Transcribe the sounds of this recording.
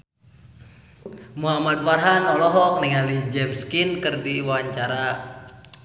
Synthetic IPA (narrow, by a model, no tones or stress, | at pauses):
muɦamad̚farɦanɔlɔɦɔk̚nɛŋalid͡ʒɛmskinkɨrdiwaɲt͡ʃaɾa